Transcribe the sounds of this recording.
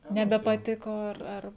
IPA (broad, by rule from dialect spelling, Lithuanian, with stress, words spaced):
nʲɛbʲɛpɐˈtʲɪkoː ˈɐr ˈɐr